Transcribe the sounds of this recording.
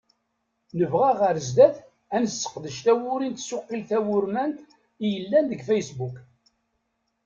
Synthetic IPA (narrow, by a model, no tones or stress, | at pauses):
nəvʁæʁəɾzd̪æθ | ænəsːə̥qðəʃt̪æwʊɾint̪sʊqːilθæwʊɾmænt̪ | ijəlːænðəɡfæjsbuk